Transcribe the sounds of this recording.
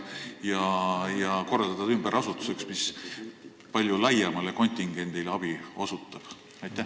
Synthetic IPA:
jɑjɑko̞rːɑld̪̥ɑt̪ɑd̪ymb̥eɾɑsut̪ːˑu̥se̞ksmis | pɑlʲjulɑjɑmɑleko̞nʲt̪ʲiŋɡ̥e̞nd̪̥ilɑb̥io̞sut̪ːˑɑb̥ | ɑjt̪ːˑæ

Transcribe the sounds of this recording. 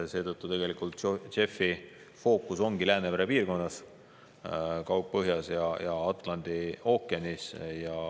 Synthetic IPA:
se̞ːt̪ɤt̪ˑːut̪e̞ɡ̥elikˑult̪ʃe̞fi | fo̞ːkːˑuso̞ŋɡ̥ilæːnevæɾepiːrko̞nːɑs | kɑwp̚pɤɦjɑsjɑjɑɑt̪ˑlɑnd̪̥io̞kːˑeɑnisjɑ

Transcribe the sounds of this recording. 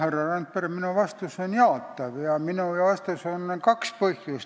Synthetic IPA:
herːɑrɑnt̪pereminuʋɑst̪usonjɑːˑt̪ːɑʋjɑminuˑjɑʋɑst̪usonkɑkspohjus

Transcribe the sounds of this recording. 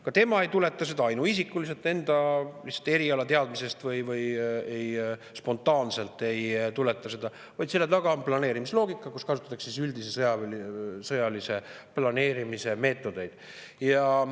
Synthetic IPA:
kɑt̪e̞mɑe̞jt̪ule̞t̪ːˑɑse̞d̪̥ɑɑjnuisikːˑulis̬e̞lt̪ːˑe̞nd̪ɑlihtsːɑ̥t̪ːˑe̞ɾiɑlɑt̪e̞ɑd̪mise̞st̪vɤjvɤje̞j | spo̞nt̪ˑɑːnse̞lt̪ːˑe̞jt̪ule̞t̪ːˑɑse̞d̪ɑ | vɑjd̪t̪se̞lːet̪ɑɡ̥ɑmplɑne̞ːɾimislo̞ːɡikːˑɑkuskɑsut̪ːˑɑt̪ːˑɑksisyld̪isesɤjɑsɤjɑlise̞plɑne̞ːɾimise̞me̞ːt̪ːˑo̞d̪e̞jd̪̥ | jɑ

